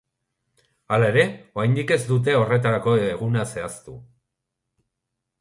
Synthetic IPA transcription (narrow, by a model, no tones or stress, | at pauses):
alae̞ɾe̞o̞ajnd̪ike̞zd̪ut̪̬e̞o̞re̞t̪aɾako̞eɣunase̞ast̪u